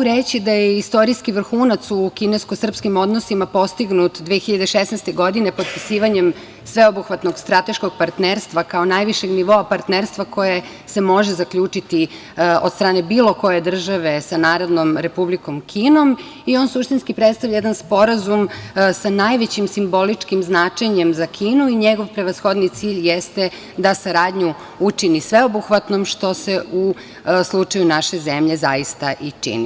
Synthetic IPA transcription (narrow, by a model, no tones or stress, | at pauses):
mɡuɾet͡ɕid̪ajeist̪o̞ɾiskiʋr̩xuːnat̪sukineskosr̩pskimo̞d̪nosimapo̞st̪iɡnut̪d̪ʋexiʎad̪eʃesnɛst̪eɡo̞d̪inepo̞t̪̚pi̥siːʋaɲe̞m | sʋe̞obuxʋat̪no̞ɡst̪ɾat̪e̞ʃko̞ɡ̥̚paɾt̪neːɾst̪ʋakao̞najʋiʃe̞ɡniʋo̞apaɾt̪neɾst̪ʋako̞je | se̞mo̞ʒezakʎuːt͡ʂit̪i | od̪st̪ɾaːne̞biːlˠo̞ko̞je̞d̪r̩ʒaʋe̞sanaːɾo̞d̪no̞mɾepubliko̞mkʰiːno̞m | io̞ːnsuʃt̪inskipɾet̪st̪aʋʎajed̪anspo̞ɾazumsanajʋet͡ɕimsimbo̞lit͡ʂkimznaːt͡ʃeɲe̞mzakʰiːnuiɲeɡo̞ʋpɾe̞ʋasxo̞d̪nit̪siːʎjest̪e | d̪asaɾaːd̪ɲu | ut͡ʃinisʋeobuxʋat̪no̞mʃt̪o̞seu | slˠut͡ʃajunaʃe̞zemʎe̞zajist̪aʔit͡ʃḭni